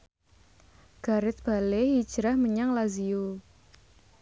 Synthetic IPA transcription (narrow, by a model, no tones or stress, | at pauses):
ɡ̥a̤ɾɪt̪̚b̥a̤leɦid̥ʒ̥ɾahməɲaŋlaziu